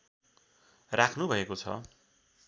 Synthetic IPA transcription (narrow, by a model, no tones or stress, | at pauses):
rakʰnubʱʌekot͡sʰʌ̰